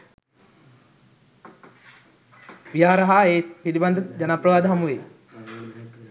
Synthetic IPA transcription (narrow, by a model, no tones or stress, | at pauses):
ʋijaːɾɐɦaeːpiɾibɐnd̪ɐd͡ʒɐnapɾɐʋaːd̪ɐɦɐmuʋe